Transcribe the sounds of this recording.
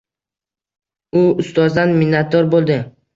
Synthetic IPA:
ʊʊst̪ʰɒzd̪anminːat̪ʰɒɾbolˠd̪ɪ

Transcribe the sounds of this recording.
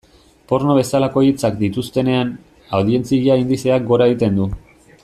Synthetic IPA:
po̞ɾno̞β̞e̞salako̞it͡sakd̪it̪ust̪e̞ne̞an | awðie̞nt͡siʎaind̪ise̞ak̚ɡo̞ɾaeɣit̪e̞nd̪u

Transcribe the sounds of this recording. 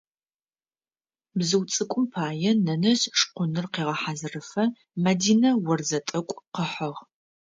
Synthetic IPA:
bzɨwt͡sʼɨkʷʼʊmpʰaːjɛnɐnɐzʂqʷʊnɨrqeːʁɐħazɨrɨfɐ | mɐdiːnɐwɔrzɐtʼɐkʷʼqəħɐʁ

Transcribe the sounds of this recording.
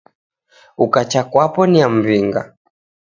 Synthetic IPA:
ukat͡ʃakwapɔniam̩viŋɡa̰

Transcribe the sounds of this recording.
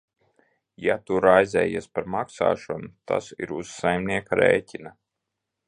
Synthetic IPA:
jat̪uɾajzʲɛ̰ːjispaɾmaksa̰ːʃɔnut̪a̰sḭɾuzːajmniɛkaɾḛːcʲina

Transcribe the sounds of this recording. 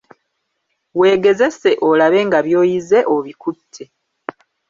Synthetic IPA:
we̞ːɡe̞ze̞se̞ʔolaβe̞ːŋɡaβjo̞ːjize̞ʔoβikutʰːe

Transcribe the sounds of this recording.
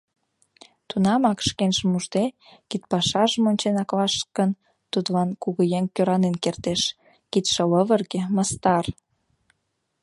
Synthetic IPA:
t̪unɑmɑkʃkenʒəmuʃt̪ekit̪̚pɑʃɑʒəmonʲt͡ɕenɑklɑʃkən | t̪ud̪lɑnkuɣəjeŋkøɾɑnenkert̪eʃ | kit̪ʃə̆ləβərɣĕməst̪ɑr

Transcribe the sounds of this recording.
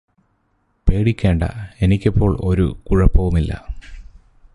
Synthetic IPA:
pe̞ːɽikʲːe̞ːɳɖɐ̰e̞nikʲːɐpːo̞ːɭo̞ɾṵkuɻɐpːɐʋumilːɐ̰

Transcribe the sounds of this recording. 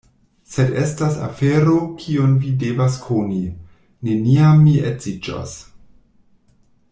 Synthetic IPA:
sedestasa̰feɾokʰionvidevaskʰoni | ne̞niamːiezid͡ʒa̰s

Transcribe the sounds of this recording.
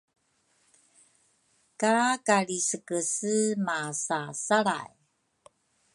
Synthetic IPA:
kakaɭisəkəsəmasasaɾa̰j

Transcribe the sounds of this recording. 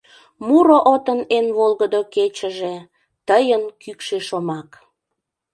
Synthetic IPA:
muɾoʔot̪ənenβolɣəd̪oket͡ɕəʒe | t̪əjənkykʃeʃomɑk

